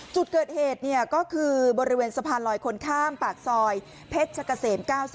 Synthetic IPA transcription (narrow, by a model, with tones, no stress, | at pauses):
t͡ɕu˨˩t̪̚kɤː˨˩t̪̚heː˨˩t̪̚ni˥˩ɐkɔː˥˩kʰɯː˧bɔː˧ɾi˦weː˧nsa˧pʰaː˧nlɔː˨˦jkʰo˧nkʰaː˥˩mpaː˨˩k̚sɔː˧j | pʰe˦˥t̪̚t͡ɕʰa˧ka˧seː˩˦mkaː˥˩wsi˨˩